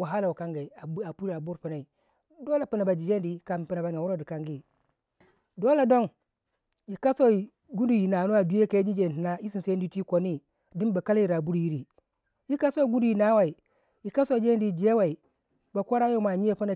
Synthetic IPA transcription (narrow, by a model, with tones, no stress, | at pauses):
wa˨ɦa˦la˨wka˦ŋɡa˨i˨a˨˦a˨pu˦ɾa˨bu˦ɾpi˨na˨i˨ | do˦la˨pi˨na˨ba˨d͡ʒi˨d͡ʒe˦n˦di˨˦ka˨m˨pi˦na˨ba˨n˨a˨wu˦ɾo˦˨di˨ka˨ŋɡi˦ | do˦la˨do˦n | ji˨ka˦so˦˨ | ɡu˦ndu˨ji˨na˨nu˦a˨du˨˦e˦ka˨˦d͡ʒi˦d͡ʒe˨n˨i˨na˦ji˦si˨se˦n˦di˦ti˦ko˨ni˦ | di˦nba˨ka˦la˦ji˨ɾa˨bu˦ɾji˦ɾi˨ | ji˦ka˦so˦ɡu˦du˦ji˨na˦wa˨i˨ | ji˨ka˦so˦˨d͡ʒe˦n˦di˨d͡ʒe˦wa˨i˨ | ba˨kʷo˦ɾa˦jo˦ma˨ɲi˦e˦pi˦na˨